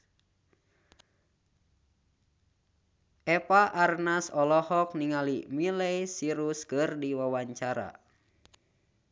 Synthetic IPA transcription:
ʔɛpaʔarnasɔlɔhɔk̚niŋalimilɛjsiɾuskɨrdiwawaɲt͡ʃaɾa̰

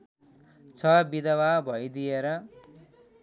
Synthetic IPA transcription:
t͡sʰʌbid̪ʌwabʱʌjd̪ijeɾʌ

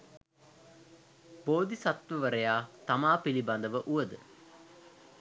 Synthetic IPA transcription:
boːd̪isat̪ʋəʋəɾəjaːt̪amaːpiliband̪əʋəʔuʋəd̪ə

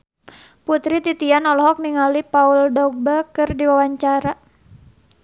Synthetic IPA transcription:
put̪ɾit̪it̪ianɔlɔɦɔk̚niŋalipauldɔɡ̚bakɨrdiwawaɲt͡ʃaɾa

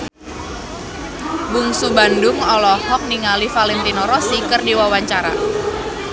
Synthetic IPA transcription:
bʊŋsubandʊŋɔlɔhɔk̚niŋalifalɛnt̪inɔɾɔsikərdiwawaɲt͡ʃaɾa̰

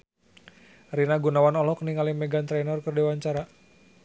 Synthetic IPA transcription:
rinaɡunawanɔlɔkniŋalimɛɡant̪ɾɛnɔrkərdiwaɲt͡ʃaɾa

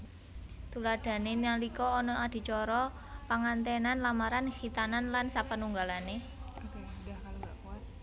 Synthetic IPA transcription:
t̪ulaɖ̪̥a̤nenalikɔːnɔad̪̥i̤t͡ʃɔɾɔ | paŋant̪ɛnanlamaɾanxit̪ananlansapənuŋɡalane | k

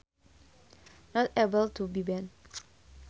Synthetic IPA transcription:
nɔtebəltʰubibɛ̃n

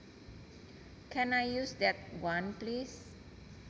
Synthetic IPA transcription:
kʰɛ̃najjusdɛt̚wãnplis

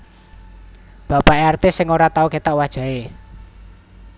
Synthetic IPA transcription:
b̥apaʔeart̪ɪsːɪŋoɾat̪auket̪aʔwad̥ʒ̥a̤e

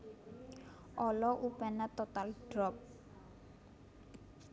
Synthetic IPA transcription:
ʔɔlɔʔupɛnat̪ɔt̪alɖ̥ɾɔp̚

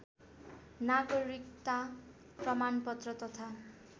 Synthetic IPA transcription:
naɡʌɾikt̪a | prʌmanpʌt̪rʌt̪ʌt̪ʰa

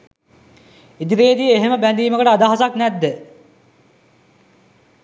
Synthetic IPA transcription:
id̪iɾeːd̪ijeɦeməbænd̪iːməkəʈəad̪aɦasaknɛd̪ːə

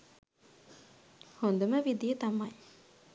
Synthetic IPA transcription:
hond̪uməʋid̪ijət̪ɐmaj

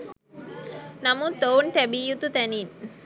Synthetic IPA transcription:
nɐmut̪oːwnt̪ɐbijut̪ut̪ɐnin

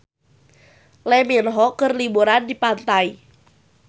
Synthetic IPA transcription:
lɛminɦɔkərlibuɾandipant̪ai

